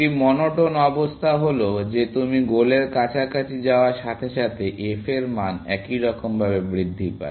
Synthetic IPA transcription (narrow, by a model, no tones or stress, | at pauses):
imɔnoʈonɔbost̪ʰaɦolod͡ʑet̪umiɡoleɾkat͡ɕʰakat͡ɕʰid͡ʑaoaɾʃat̪ʰeʃat̪ʰeʔefeɾmanɛ̰kiɾɔkombʱaβebɾid̪ʱːipa̰